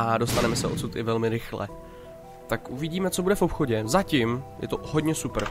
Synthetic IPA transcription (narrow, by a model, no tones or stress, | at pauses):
ʔado̞st̪anɛmɛsɛo̞̰t̪sut̪ɪvɛlmɪɾɪxlɛ̰ | t̪akʔuvɪɟiːmɛt͡so̞budɛfo̞pxo̞ɟɛzacɪmjʔɛ̰t̪o̞ho̞dɲɛsupɾ